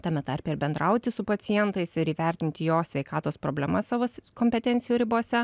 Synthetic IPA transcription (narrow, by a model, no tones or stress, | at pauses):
t̪ɑːmʲɛt̪ɐɾʲpʲɛɪɾbʲɛnd̪ɾɐʊt̪ʲɪsʊpɐt̪sʲɪjɛnt̪ɐɪsɪɾiːʋʲæˑɾʲt̪ʲɪnʲt̪ʲɪjoːsʲʋʲɛɪkɑːt̪oːspɾoːbʲlʲɛmɐssɑːʋoːsʲkoːmʲpʲɛt̪ʲɛnʲt̪ʲɪjuːɾʲɪboːsʲɛ